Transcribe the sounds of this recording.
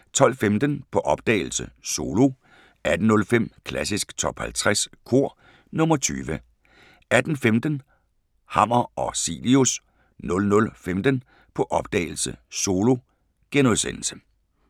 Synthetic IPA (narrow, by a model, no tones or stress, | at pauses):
t͡sʰɒ̽l̰femd̥ənpʰɒ̽ʔɒ̽b̥̚d̥ɛ̰ɪl̩səso̝ːlo̝ | æd̥n̩nɔ̽lfem̰kʰlæsisɡ̥t͡sʰɒ̽b̥hælt͡sʰʁaskʰo̝ɐ̰ | nɔ̽mɐt͡sʰy̰ːʋə | æd̥n̩femd̥ən | hɑ̈m̰ɐɒ̽sḭːlius | nɔ̽lnɔ̽lfemd̥ən | pʰɒ̽ʔɒ̽b̥̚d̥ɛ̰ːɪl̩sə̰so̝ːlo̝ | ɡ̥enuðˠsenl̩sə̥